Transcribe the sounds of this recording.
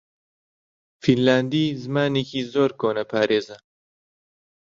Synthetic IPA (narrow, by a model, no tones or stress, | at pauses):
finlaːnd̪iːzɨmaːneːkʰiːzoːɾkoːnɐpʰaːɾeːzɐ